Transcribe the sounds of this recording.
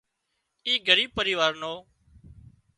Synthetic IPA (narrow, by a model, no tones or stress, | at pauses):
iːɡəɾiːb̚pəɾiːʋaːɾnoː